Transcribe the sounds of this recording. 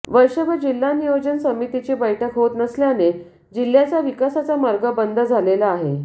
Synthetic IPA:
ʋəjɕəbʱəd͡ʑilːanijod͡ʑənsəmit̪it͡ɕiːbəjʈʰəkɦot̪nəsljane | d͡ʑil̤ːjat͡saʋikasat͡samaɾɡəbənd̪ʱəd͡zʱalelaːɦe

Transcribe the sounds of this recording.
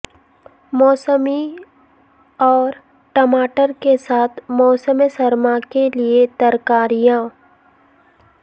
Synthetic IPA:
mɔːsəmi | ɔːɾ | ʈɐmaːʈəɾkesaːt̪ʰmɔːsəmsɐɾmakeliet̪ɐɾkaːɾijãː

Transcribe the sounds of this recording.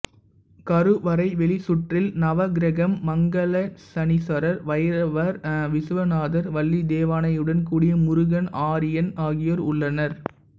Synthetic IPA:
kɐɾɯʋɐɾɐɪʋɛɭɪsʊʈrɪlnɐʋɐɡɾɐɣɐmːɐŋɡɐɭɐsɐnɪsɐɾɐɾʋɐjɐɾɐʋɐɾʋɪsɯʋɐnaːðɐɾʋɐlːid̪eːʋaːnɐjɯɽɐnkuːɽɪjɐmʊɾʊɣɐnaːɾɪjɐnaːɣɪjɐɾʊɭːɐnɐɾ

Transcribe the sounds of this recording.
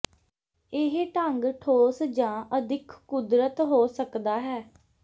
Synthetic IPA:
ɪɦʈəŋɡʈʰoːsd͡ʒãːʔəd̪ɪkʰːʊd̪ɾət̪ɦoːsəkd̪aːɦɛː

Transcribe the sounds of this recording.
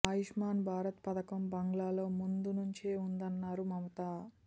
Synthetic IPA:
aːjiʂmaːnbʱaːɾɐt̪pɐd̪ɐkɐmbɐŋɡɭaːlo̞ːmund̪unuɲt͡ʃeːund̪ɐnːaːɾumɐmɐt̪aː

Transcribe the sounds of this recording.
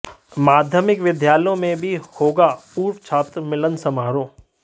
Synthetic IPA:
maːd̪ʱjəmɪkʋɪd̪ʱjaːljõmẽbʱihoːɡapuːɾʋt͡ʃʰaːt̪ɾəmɪlənsɐmaːɾõː

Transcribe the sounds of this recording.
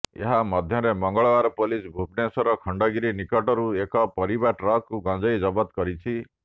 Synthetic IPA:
ḛɦamɔd̪ʱjɔɾemɔŋɡɔɭɔaɾɔpɔlisbʱupnesɔɾɔkʰɔɳɖɔɡiɾinikɔʈɔɾuekɔpɔɾibaʈɾɔkuɡɔ̃d͡ʒɔjd͡ʒɔbɔt̪kɔɾit͡ʃʰi

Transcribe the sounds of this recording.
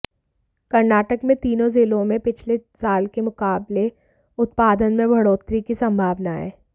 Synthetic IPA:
kɐɾnaːʈəkmẽt̪iːnõzɪlõmẽpɪt͡ʃʰlesaːlkemʊkaːble | ʊt̪̚paːd̪ənmẽbʱɐɽoːt̪ɾikisɐ̃mbʱaːʋnaɦɛ̰ː

